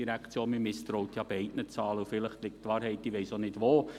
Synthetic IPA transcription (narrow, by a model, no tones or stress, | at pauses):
iɾækt͡sjoːnmimɪst̪ɾowtjɑb̥ɛɪtnət͡sɑːləufɪləχt̪lɪk̚tːʋɑːɾɦɛɪtːiʋɛɪsonɪdʋoː